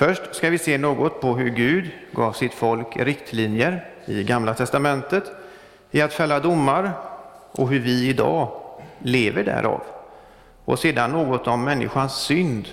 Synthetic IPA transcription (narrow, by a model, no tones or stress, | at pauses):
fœʂʈskavɪseːnoːɡɔt̪pʰɔɦɵɾɡʉ̟ːd̪ɡɑːvsɪt̪fɔlkɾɪkt̪ʰliːnjəɾ | ɪɡamlat̪ʰɛst̪amɛnt̪ət̪ | ɪat̪fɛlːad̪ʊmːaɾ | ʔɔɦɵɾvɪɪd̪ɑ̰ːleːvəɖæ̰ːɾʔa̰v | ɔ̰seːd̪anːoːɡɔt̪ɔmːɛnːɪ̰ɧansːʏnd̪